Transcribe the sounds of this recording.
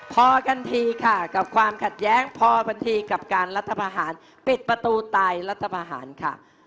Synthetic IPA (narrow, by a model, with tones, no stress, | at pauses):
pʰɔː˧kʰa˧nt̪ʰiː˧kʰa˥˩ka˨˩p̚kʰwaː˧mkʰa˨˩t̪̚jɛː˦˥ŋpʰɔː˧bʰa˧nt̪ʰiː˧ka˨˩p̚kaː˧nɾa˦˥t̪ʰːa˧pʰaː˧ɦaː˩˦n | pi˨˩t̪̚pɾa˧t̪uː˧t̪aː˧jɾa˦˥t̪ʰːa˧pʰaː˧ɦa̰ː˩˦nkʰa̰˥˩